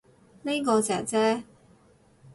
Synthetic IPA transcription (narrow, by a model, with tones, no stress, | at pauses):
ne˥kɔː˧t͡sɛː˨˩t͡sɛː˥